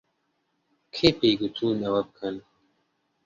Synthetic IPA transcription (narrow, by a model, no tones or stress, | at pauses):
kʰepeːɡut̪ʰuːnɐwɐb̚kʰɐn